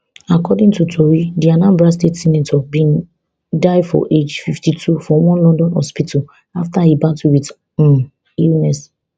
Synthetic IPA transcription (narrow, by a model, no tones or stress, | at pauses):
akɔdĩŋtutʰoɹidianãmbɹastetsinɛtʰɔbĩn | daɪdfɔ̰ʔed͡ʒfiftitʰufɔwɔ̃nlɔ̃ndɔ̃nhɔ̰spitʰɔ | aftahibãtuwit | ilnɛs